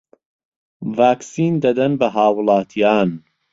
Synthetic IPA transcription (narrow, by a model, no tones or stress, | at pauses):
vaːksiːnd̪ɐd̪ɐnbɐɦɑːwlˠɑːt̪ʰijɑːn